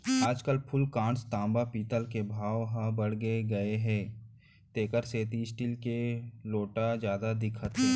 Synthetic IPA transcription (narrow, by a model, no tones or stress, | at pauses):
aːd͡ʒkəlpʰʊlkãːɳst̪ãːmbapiːt̪əlkebʱaːʋɦãbəɽ̤ɡeɡɐeɦɛ̃ː | t̪eːkəɾseːt̪isʈilkeloːʈad͡ʒjaːd̪ad̪ɪkʰət̪ɦɛ̃ː